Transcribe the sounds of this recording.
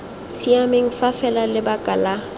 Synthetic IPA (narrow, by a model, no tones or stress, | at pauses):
siamɪŋ̩fafɛlalɪbakʼala